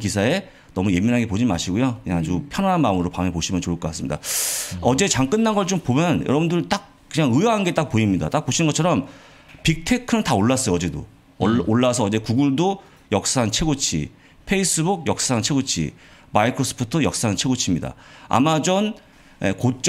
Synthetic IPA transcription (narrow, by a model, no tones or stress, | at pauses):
kisʰae̞ | nʌmuje̞minɦanɡe̞p̬od͡ʑima̰ɕʰiɡojokɯɲaŋad͡ʑupʰjʌnaɦanmaɯmɯɾopamepoɕʰimjʌnt͡ɕoɭk͈ʌk͈as͈ɯmɲida̰ʌd͡ʑe̞t͡ɕaŋk͈ɯnːanɡʌɭt͡ɕompomjʌnjʌɾʌbundɯɭt͈ak̚ | kɯɲaŋɯjʌɦanɡe̞t͈ak̚poimɲida̰t͈ak̚p͈oɕʰinɯnŋɡʌt͡ɕʰʌɾʌm | pik̚tʰe̞kʰɯnɯntaoɭːas͈ʌjʌʌd͡ʑe̞do̰ | oɭːasʰʌːd͡ʑe̞kuɡuɭdo | jʌk̚s͈aɦant͡ɕʰe̞ɡot͡ɕʰḭ | pʰe̞is͈ɯbuɡ̚jʌk̚s͈aɦant͡ɕʰe̞ɡot͡ɕʰḭ | maikʰɾosʰʌ̥pʰotʰɯjʌk̚s͈aɦant͡ɕʰe̞ɡot͡ɕʰimɲida̰a̰mad͡ʑʌn | ekot͡ɕ͈